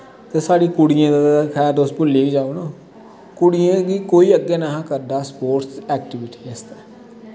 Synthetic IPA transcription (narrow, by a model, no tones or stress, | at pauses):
t̪eːsaːɖiːkʊɽɪjãːd̪kʰɛːɾd̪oːspʊlːiːɡiːd͡ʒaːonõː | kʊɽijãːɡiːkoːiːəɡːeːnaːɦãːkəɾɖaːspoːʈsɛːkʈɪʋɪʈi̥ːest̪ɛː